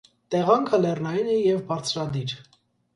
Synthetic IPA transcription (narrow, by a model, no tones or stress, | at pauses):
t̪ɛʁɑŋkʰəlɛrnɑjinɛjɛvbɑɾt͡sʰɾɑd̪iɾ